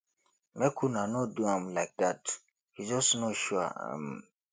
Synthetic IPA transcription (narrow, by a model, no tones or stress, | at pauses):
mekʰunanɔduãmlaɪk̚dat | hid͡ʒɔsnɔtʃuaa̰m